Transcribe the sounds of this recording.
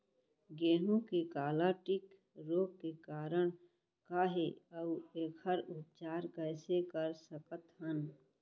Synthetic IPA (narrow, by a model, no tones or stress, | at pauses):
ɡeːnõkekaːlaʈɪk | ɾoːkkekaːɾəɽ̃ | kaːɦeəʊeːkʰəɾʊp̚t͡ʃaːɾkɛːsekəɾsəkət̪ɦən